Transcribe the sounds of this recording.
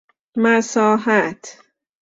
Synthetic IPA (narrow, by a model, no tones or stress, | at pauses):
mæsɒːɦat̪ʰ